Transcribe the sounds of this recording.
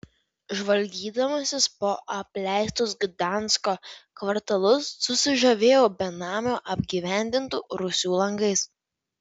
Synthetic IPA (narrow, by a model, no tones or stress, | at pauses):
ʒʋɐlʲɡʲiːd̪ɐmɐsʲɪspoːʔɐpʲlʲæˑɪst̪ʊsɡd̪ɑˑnˑskoːkʋɐɾt̪ɐlˠʊsːʊsʲɪʒɐʋʲeːjoːbʲɛnɑːmʲoːʔɐbʲɡʲiːʋʲæˑnʲd̪ʲɪnt̪uːɾʊsʲuːlˠɐŋɡɐɪs